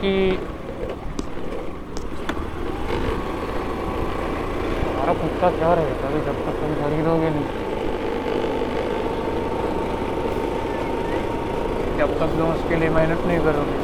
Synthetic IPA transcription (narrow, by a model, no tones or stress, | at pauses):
ki | ɦɐmaːɾaput̪kakjaːɾɐɦeɡabʱid͡ʒɐb̚t̪ɐk̚t̪ʊm̤ixɐɾiːd̪ʱɦoːɡenɐɦĩ | d͡ʒɐbt̪ɐkzɐʊskeliemaːɪnəʈnɐɦĩkɐɾoːke